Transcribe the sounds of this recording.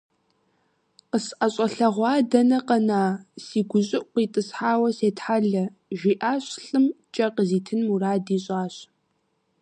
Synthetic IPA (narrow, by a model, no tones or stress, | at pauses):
qəsʔɐɕʼɐɬɐʁʷɑːdɐnɐqɐnaːsiːɡʷʊɕʼɪʔʷqʷiːtʼɨsħaːwɐseːtħaɮɐʒʷiːʔaːɕɬɨmt͡ʃʼɐqəziːtʰɨnmuraːdiːɕʼaːɕ